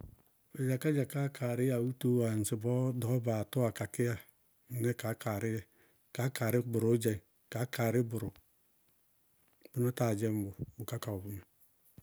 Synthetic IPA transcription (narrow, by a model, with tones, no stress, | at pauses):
e˨d͡ʒa˨ka˦d͡ʒa˨ka˦kʰa˨ɾɪ˦ja˨u˦to˦wa˨n̩˨si˨bɔ˦dɔ˨˦ba˨to˦a˨ka˨kɪ˦ja˦˨ | ne˦ka˨˦kʰa˨ɾɪ˦jɛ˦˨ | ka˨˦ka˨ɾɪ˦bʊ˨ɾo˨˦d͡ʒa˦˨ | ka˨˦ka˨ɾɪ˦bʊ˨ɾo˨ | b̥u˦na˦ta˨d͡ʒɛ˦m̩˦bʊ˨bu˨ka˦ka˨u˨bu˦na˨